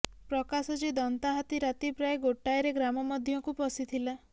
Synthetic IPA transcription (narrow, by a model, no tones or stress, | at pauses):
pɾɔkasɔd͡ʒid̪ɔnt̪aɦat̪iɾat̪ipɾaeɡoʈajɾeɡɾamɔmɔd̪ʱjɔŋkupɔsit̪ʰila